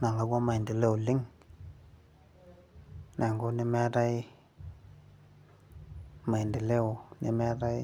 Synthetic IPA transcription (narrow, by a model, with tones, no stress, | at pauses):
na˨ŋɡa˨˦ɡʷa˦ma˨i˨ndi˨le˦ʊ˨lɪ˦ŋ | nʔa˨ŋɡo˦nɪ˦mɛ˦ta˦ɪ˦ | ma˨i˨ndi˨le˦o˨nɪ˦mɛ˦ta˦ɪ˦